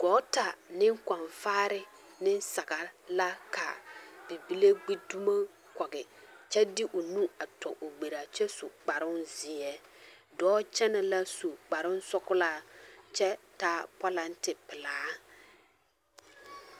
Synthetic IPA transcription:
ɡ̥ɔ˨˦ta˨nɪ˦ŋka˨ɱfaː˦ɾɪ˦ | nɪ˦nsa˨ɡa˨la˦kʰa̰˨b̥i˨bi˦le˦ɡ͡bi˦du˦ma˦ | kɔ˨ɡɪ˨t͡ʃɛ˦dɪ˦ʔʊ˨nũ˦a˨tɔ̰˨ʔʊ˨ɡ͡be˨ɾa˨t͡ʃɛ˦sʊ̰˨k͡pa˨ɾʊ˦nzi˨ɛ˦ | dɔː˦t͡ʃɛ˦nɛ˨la˦su˨k͡pa˨ɾʊ˦n˦sɔ˦kʊ˦la˦t͡ʃɛ˦taː˦pɔ˦la˦ntɪ˨pɪ˨laː˨˦

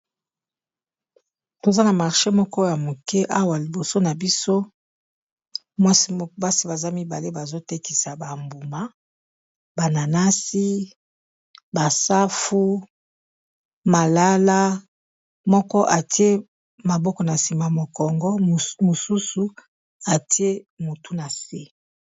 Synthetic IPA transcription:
to˨za˦na˨ma˨ʁʃe˦mɔ˦kɔ˦ja˨mo˨kɛ˦ʔa˦wa˨li˨bo˨so˦na˨bi˦so˦ | mwa˦si˦ba˦si˦ba˨za˦mi˦ba˨le˦ba˨zo˦te˦ki˨sa˨ba˨mbu˨ma˦ | ba˨na˨na˦si˦ | ba˨sa˦fu˦ | ma˨la˦la˦ | mɔ˦kɔ˦ʔa˨ti˦e˦ | ma˨bɔ˦kɔ˨na˨si˨ma˨mo˨kɔ˨ŋɡɔ˦˨mo˨su˦su˨ | a˨ti˦e˦mo˨tu˦na˨se˦

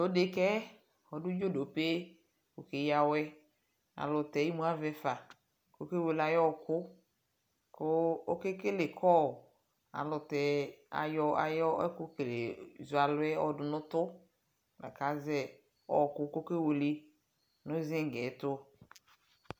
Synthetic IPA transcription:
lo˦de˨kɛ˦ | ɔ˨dʊ˦d͡ʒo˦˨do˨pe˦ | ko˨ke˦ja˨wɛ˦ | a̰˨lʊ˨t̪ɛ˨˦ji˦mũ˦a˦vɛ˨fa˨ | ko˦ke˦wo˨la˨jɔ˦˨kʊ˦ | kʊ˦o˦ke˦ke˦le˨kʰɔ˦˨ | a̰˨lʊ˨t̪ɛ˨a̰˨jɔ˦a̰˨jɔ˦ɛ˦kʊ˦klḛ˨zʊ˨a˨lʊ˦ɛ˦ɔ˦dʊ˨nʊ̃˦t̪ʊ˦ | la̰˨ka˨˦zɛ˦ | ɔ̰˦˨kʊ˦ko˦ke˦wo˨li˦ | nʊ̃˦zɪ̃˦ŋ˨ɡɛ˨˦t̪ʊ˦

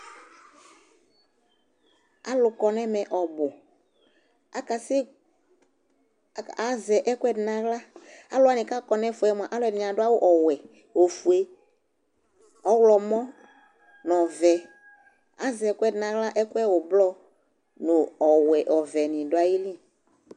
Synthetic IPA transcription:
a˦lʊ˨kɔ˨nɛ̃˦mɛ̃˨ʔɔ˨bʊ˨ | a˦ka˨sɪ˦˨ | a˨zɛ˨ʔɛ˦kʊ˦ɛ˦dnã˨ɣla˦a˦lʊ˦a˨nĩ˨ka˦kɔ˨nɛ̃˦fu˨ɛ˦m˨a˨ʔa˦lʊ˦ɛ˨nĩ˨a˨ɖʊ˦a˦wo˦ʔɔ˨wɛ˨ | wo˨fu˨e˦ | ɔ˦wlɔ˨mɔ̃˦ | n˨ɔ˨vɛ˨ | a˨˦zɛ˨˦kʊ˦ɛ˦dnã˨ɣla˦ʔɛ˦kʊ˦ɛ˦wo˨blɔ˦ | nʊ˨ɔ˨wɛ˨ʔɔ˨vɛ˨nĩ˨dʊ˦a˨ji˦li˦

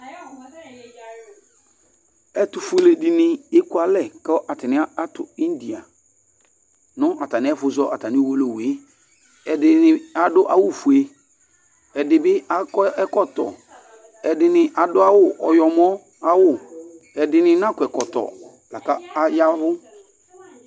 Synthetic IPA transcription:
ɛ˨tʊ˨fʊ˨le˨di˨nɪ˨ɪ˦kʊ˦a˨lɛ˦˨kɛ˦ʔa˨tɪ˨nɪ̃˦a˦a˦tʊ̰˨ɪ˦n˦di˨a˨ | nʊ̃˦ʔa˨ta˨nɪ˨˦ɛ˦fʊ˨˦zɔ˦ʔa˨ta˨nɪ˨˦wo˦lo˨we˦ | ɛ˨dɪ˨nɪ˦a˨dʊ˦ʔa˦wʊ˦˨fʊ˨e˨ | ɛ˨dɪ˨bɪ˦a˦kɛ˦kɔ˦tɔ̰˨ | ɛ˨dɪ˨nɪ˨ʔa˨dʊ˦a˦wʊ˦˨ʔɔ˨jɔ˨m˦ɔ˦ | a˦wʊ˦˨ | ɛ˨dɪ˨nɪ̃˦nã˦˨kʊ˨ɛ˨kɔ˨tɔ̰˨ | la˨ka˦a˦ja˦ɦʊ˦

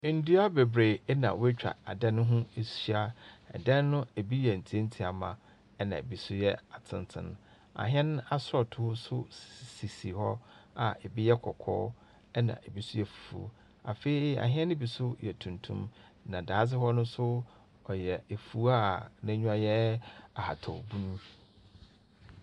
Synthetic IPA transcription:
n̩˦du˦a˦be˨bɾe˨ɛ˦nã̰˨we˦t͡ɕᶣa̰˨a̰˨dɛ˦nʊ̃˦ɦũ˦e˨sɥa˦ɛ̰˨dɛ̃˦n˦nʊ̃˦e˨bi˦jɛ˨n̩˨tʰi˨˦e˦n̩˦tʰi˨a˨mã̰˨ | ɛ˦nã̰˨ḛ˨bi˨sʊ˦jɛ˦a˨tʰɪ̃˨n˦tʰɪ̰̃˦n˦ | a̰˨ɦɛ̃˦ñ˦a˦sɾɔ˨tʰʊ˨˦ʊ˦sʊ˦˨si˨si˨hɔ˦a˨ʔɛ˨bi˦jɛ˦kʰɔ˨kʰɔ̰ː˦ | ɛ˦nã̰˨ʔe˨bi˦sʊ˦jɛ˦fu̥˨fṵ˨ | a˨fe˦˨i˦a̰˨ɦɪ̃˦ɛ̃˦nʊ̃˦bi˨sʊ˦jɛ˨tʰũ˨ntʰṵ̃˦m | nã˨daː˨a˦s̬ɪ˦hɔ˦nʊ̃˦sʊ˦ | ɔ˨jɛ˨e˨fu˦a˦nã˦ɲᶣũ˦a˨jɛ˦a˨ha̰˨tʰɔ˨bũ˦nũ˦

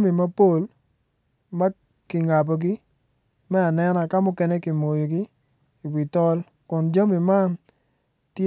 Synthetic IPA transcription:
mi˨ma˦po˦l | ma˦ | kɪ˨ŋa˨bo˨ɡi˦ | mɛ˦a˨nɛ˦na˨ka˦mʊ˦kɛ˦ne˦ki˨mo˨jo˨ɡi˦ | i˨wi˨tɔ˦l | kʊ˨nd͡ʒa˦mi˨ma˦n | tj

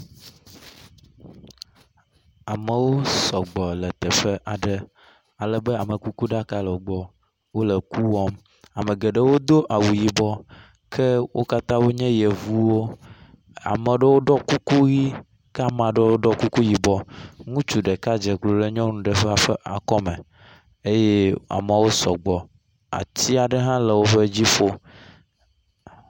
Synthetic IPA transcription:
a˨mə˨wo˦sɔ˨ɡ͡bɔ˨lə˨t̪ɛ˨ɸə˦ʔa˨ɖə˦ | a˨lə˨bə˦a˨mə˨ku˦ku˦ɖa˦ka˦lə˨o˦ɡ͡bɔ˨ | wo˦lə˨ku˦wɔ˦m | a˨mə˨ɡə˨ɖə˦wo˦d̪o˦ʔa˨wu˨ji˨bɔ˦ | kʰə˦wo˦ka˦t̪ã˦wo˦ɲɛ̃˦je˨vu˦wo˦ | a̰˨mə˨ɖə˦wo˦ɖɔ˦ku˦ku˦ɣi˦ | ka˦˨mã˨ɖe˦wo˦ɖɔ˦ku˦ku˦ji˨bɔ˨ŋũ˦t͡ʃu˨ɖe˨ka˦d͡ʒe˨klo˨le˦ɲɔ̃˦nũ˨ɖe˨ɸe˦a˨ɸə˦ʔa˨kɔ˦mɛ̃˨ | e˦je˦a̰˨m˨a˨wo˦sɔ˨ɡ͡bɔ˨ | a̰˨t̪i˦a˨ɖe˦ɦã˦le˨wo˦ɸe˦d͡ʑi˦fo˦

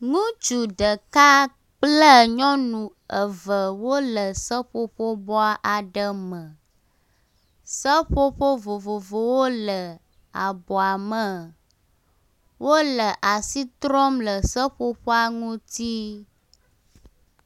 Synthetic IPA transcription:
ŋũ˦d͡ʒu˨ɖə˨ka˦ | k͡plə˦˨ɲɔ̃˦nũ˨ | ə˨və˨wo˦lə˨sə˦ɸo˦ɸo˦bɔ˦a˦ʔa˨ɖə˦mə̃˨ | sə˦ɸo˦ɸo˦vo˨vo˨vo˨wo˦lə˨ | a˨bɔ˨a˨mə˨ | wʔo˦lə˨ʔa˨si˦t̪ɾɔ˦mlə˨sə˦ɸo˦ɸɔ˦a˦ŋũ˦t̪i˦

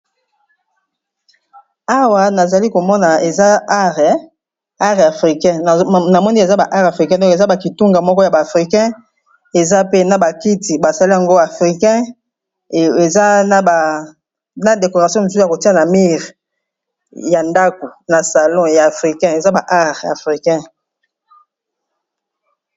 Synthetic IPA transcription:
a˦wa˨na˨za˨li˦ko˨mɔ˦na˨e˨za˦ʁɛ | a˦ʁa˨fʁi˨kɛ̃˦˨na˨mɔ˦ni˦e˨za˦ba˨ʔa˦ʁa˨fʁi˨kɛ̃˦dɔ̃˦ke˨za˦ba˨ki˨tu˦ŋɡa˨mɔ˦kɔ˦ja˨ba˨fʁi˨kɛ̃˦ | e˨za˦pe˦na˨ba˨ki˦ti˨ba˨sa˨li˦a˨ŋɡo˦a˨fʁi˨kɛ̃˦ | e˨za˦na˨ba˨ | na˨de˨ko˨ʁa˨sjɔ̃˦no˨zu˦˨a˨ko˨ti˦a˨na˨mi˦ʁ | ja˨nda˦ko˨na˨sa˨lɔ̃˦ja˨a˨fʁi˨kɛ̃˦e˨za˦ba˨ʔa˦ʁa˨fʁi˨kɛ̃˦

